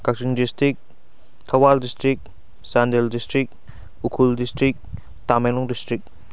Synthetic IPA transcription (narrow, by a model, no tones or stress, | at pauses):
kak̚siŋdistik̚ | t̪ʰɐwaldistɾik̚ | sandeldistɾik̚ | ukʰuldistɾik̚ | t̪amenlɔŋdistɾik̚